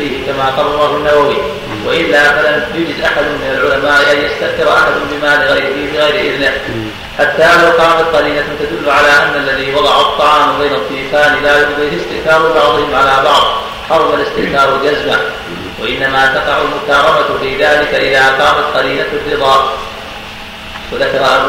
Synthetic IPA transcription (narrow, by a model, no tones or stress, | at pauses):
iːhɪkamaːqɑrˤːɑɾˤɑɦanːawawi | waʔɪlːaːfalamjʊd͡ʒɪd̪ʔaħad̪ʊːɪnalʕʊlamaːʔʔanjast̪aʔθɪɾˤʔaħad̪mbɪmaːlɪɣjlɪɣajɾɪʔɪðnɪh | ħat̪ːaːlawqɑːmat̪̚qɑɾiːnat̪ad̪ʊlːʊʕalaːʔanːalːaðiːwɑd̪ˤɑʕʊt̪ˤːɑʕɑːmbajnɑt̪ˤːiːfaːnɪlaːjʊd̪ˤiːhɪst̪ɪʔθɑːɾˤɪbɑʕðˤɨhɪmʕalaːbɑʕðˤ | ħɑɾˤmalɪst̪ɪʔkɑːɾˤwald͡ʒazma | waʔɪnːamat̪ɑqɑʕʊlmʊkɑːɾˤɑmat̪fɪðaːlɪkaʔɪðaːqɑːmat̪qɑɾiːnarːɨd̪ˤɑːʔ | waðakɑɾˤɑ